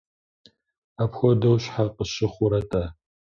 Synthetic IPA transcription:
apxʷɔdɐwɕħaqəɕɪχʷʊɾɐtʼaː

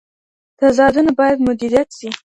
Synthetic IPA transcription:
t̪azɑd̪unabɑjad̪mʊd̪iɾijat̪si

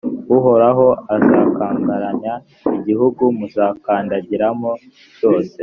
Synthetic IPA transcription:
uɦo̞ɾaɦo̞azaːkaːŋɡaɾaɲa | iɟihuɡumuzaːkaːndaɟiɾamo | jo̞ːse̞

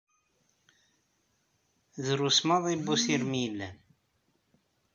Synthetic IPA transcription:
ðɾusmɑðˤibːusiɾmilːæn

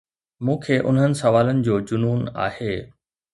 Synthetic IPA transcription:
mũːkʰeːʔʊ̰nɦənɪ̆sɐʋaːlənɪ̆d͡ʑoːd͡ʑʊnuːna̰ːheː

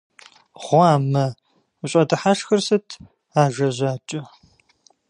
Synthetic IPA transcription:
ʁʷɑːmɐ | uɕʼɐdɨħaʃxɐrsɨtʰ | aːʒɐʑʷaːt͡ʃʼɪ

